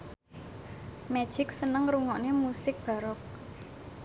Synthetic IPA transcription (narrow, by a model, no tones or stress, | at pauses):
mɛ̥ʒ̥ɪk̚sənəŋɾuŋɔʔnemusɪk̚b̥a̤ɾɔk̚